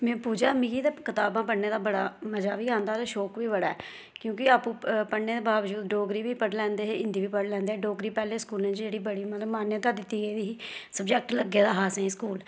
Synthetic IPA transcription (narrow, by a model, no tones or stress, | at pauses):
mɛ̃ːpuːd͡ʒaːmĩːɡiːd̪eːkɪt̪aːbãːp̬əɽneːd̪aːbəɽaːməd͡ʒaːʋiːãːnd̪aːɾaʃɔːkʋiːbəɽaːɛː | kjõːkɪaːpũːpəɽneːd̪eːbaːʋd͡ʒuːd̪ɖoːɡɾiːʋiːpəʈlɛ̃ːnd̪eːɦɪ̃nd̪iːʋiːpəɽlɛ̃ːnd̪eɛːɖoːɡɾiːpɛːlẽːskuːlẽːt͡ʃd͡ʒeːɽiːbəɽiːmət̪ləbmaːnjət̪aːd̪ɪt̪ːiːeːd̪iːsəbd͡ʒɛk̚ʈləɡːeːd̪aːɦaːsɛ̃ːskuːl